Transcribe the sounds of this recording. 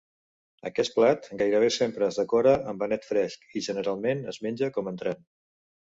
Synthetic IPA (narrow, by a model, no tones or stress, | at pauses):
ə̰kɛs̚plat̪ɡajɾəβ̞esempɾəːzðəkɔɾəʔəmbənɛt̪fɾɛskiʒənəɾalˠmenəzmenʲd͡ʒəkɔmənt̪ɾan